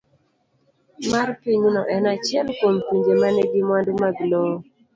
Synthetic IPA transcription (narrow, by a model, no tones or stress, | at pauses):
marpiɲunɔʔɛnat͡ʃɪɛlkompiɲd͡ʒemanɛɡɪmwandumaɡlɔ